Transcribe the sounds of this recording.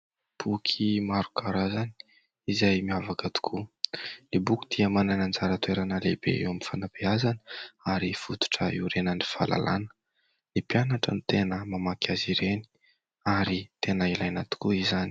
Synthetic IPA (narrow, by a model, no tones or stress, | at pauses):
b̥ukʰimaɾu̥kʰaɾazani̥ | izajmiavakət̪u̥kʰulebukʲi̥d̪̥iəmananand͡zaɾət̪ueɾanəlebḛḛwamifanabeazanəaɾifut̪u̥ʈ͡ʂəiɾenənifa̰la̰la̰nə̥ | lipianaʈ͡ʂə̰nit̪enəmamakʰʲaziɾeni̥ | aɾit̪enəilajnat̪u̥kuizani̥